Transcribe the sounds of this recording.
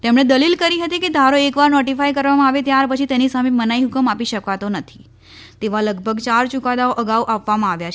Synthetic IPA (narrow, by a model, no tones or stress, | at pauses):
t̪emɽ̃ed̪əlilkəɾiɦət̪iked̪ʱaɾoekʋaɾnɔʈifajkəɾʋamãaʋet̪jaɾpət͡ʃʰit̪enisamemənaiɦʊkəmapiʃəkʋat̪onət̪ʰi̥ | t̪eʋaləɡbʱəɡt͡ʃaɾt͡ʃukad̪aoʔəɡauʔapʋamãaʋjat͡ʃʰ